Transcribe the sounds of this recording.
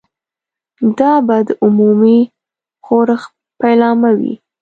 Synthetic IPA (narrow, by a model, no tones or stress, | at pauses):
d̪ɑbad̪əʔʊmumi | xoɾəx | pajlɑmawḭ